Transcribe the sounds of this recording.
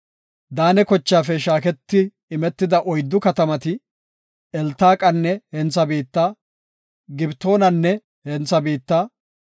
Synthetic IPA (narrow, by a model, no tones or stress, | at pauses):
d̪aːnɛkɔt͡ʃːaːfɛʃaːkɛt̪ːɪː | mɛt̪ːɪd̪ɐʔɔjd̪ːʊkɐt̪ɐmɐt̪ɪ | ɛlt̪ːaːkʼɐnːɛhɛnt͡sːɐbiːt̪ːaː | ɡɪbt̪o̞ːnɐnːɛ | hɛnt͡sɐbiːt̪ːaː